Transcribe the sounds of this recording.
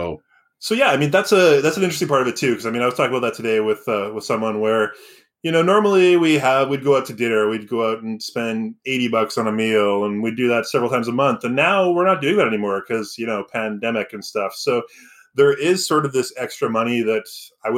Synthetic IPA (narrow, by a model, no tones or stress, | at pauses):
soʊjæaɪmĩnðætsɨðætsn̩ɪ̃t͡ʃɹ̥stɪ̃ŋpʰɑɹɾʌvɨtʰʉkʰʌzaɪĩnaɪwʌ̥tʰɔkɪ̃ŋbaʊt̪̚ðɨtʰɨdeɪwɪð̥ʌwəð̥sʌ̃mwʌ̃nwə˞ | jɨñoʊnɔɹml̩ˠiwiəvwid̚ɡoʊaʊtʰɨdɪ̃nə˞wid̚ɡoʊaʊɾn̩spɛ̃ndeɪɾibʌksn̩əmilˠə̃nwidɨðətsɛvɹəlˠtʰãɪ̃mzəmʌ̃nθɨ̃nːaʊwɪɹnət̚d̥ʉɪ̃ŋðæɾɛnimɔɹkʰʌzjɨñoʊpʰæ̃ndɛmɨkɨ̃nstʌfsoʊ | ðə˞ʔɪz̥sɔɹɾʌvðɪsɛkstɹ̥ɨmʌñiðɨɾaɪw